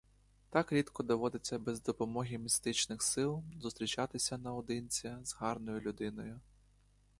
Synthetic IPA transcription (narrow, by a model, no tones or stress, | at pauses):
t̪ɑkɾʲid̪kɔd̪ɔʋɔd̪ɪt͡sʲːɐbezd̪ɔpɔmɔɦʲimʲist̪ɪt͡ʃnɪxsɪlˠzʊst̪ɾʲit͡ʃɑt̪ɪsʲɐnɐɔd̪ɪnʲt͡sʲɐzɦɑrnɔjʊlʲʊd̪ɪnɔjʊ